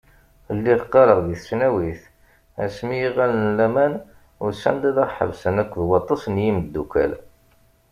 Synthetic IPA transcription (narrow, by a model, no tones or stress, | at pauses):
lːiðqːɑɾəʁðiθsnæwiθ | æ̰smijiʁælnlːæmæn | ʊɾsæ̰nd̪æðəʁħə̰vsənækʷːðwɑt̪ˤːɑsnjiməd̪ːukæ̰l